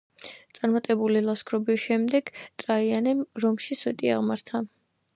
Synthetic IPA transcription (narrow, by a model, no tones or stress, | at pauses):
t̪sʼaɾmat̪ʼɛbulilˠaskʰɾɔbiʃɛmd̪ɛɡt̪ʼɾaianɛmɾɔmʃiswɛt̪ʼia̰ʁmaɾt̪ʰa